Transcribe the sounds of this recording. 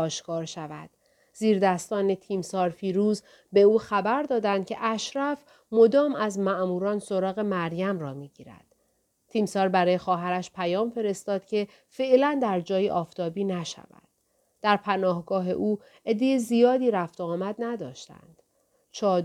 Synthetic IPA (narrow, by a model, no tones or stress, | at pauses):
ɒːʃkɒːɾʃævæ̰d̪̥ | ziːɾd̪æst̪ɒːne̞t̪ʰiːmsɒːɾfiːɾuːz | be̞uːxæbæɾd̪ɒːd̪ænd̪̥cʲʰe̞ʔæʃɾæf | mod̪ɒːmæzmæʔmuːɾɒːnso̞ɾɒːɣe̞mæɾjæmrɒːmiːɟiːɾæ̰d̪̥ | t̪ʰiːmsɒːɾbæɾɒːje̞xɒːɦæɾæʃpʰæjɒːmfe̞ɾe̞st̪ɒːd̪̥cʲʰe̞ | fe̞ʔlænd̪æɾd͡ʒɒːjiʔɒːft̪ʰɒːbiːnæʃæ̰væ̰d̪d̪̥ | d̪̥æɾpʰænɒːhɡɒːɦe̞̰ʔuː | e̞d̪ːe̞jezijɒːd̪iːɾæft̪oɒːmæd̪næd̪ɒːʃt̪æ̰nd̪̥ | t͡ʃʰɒː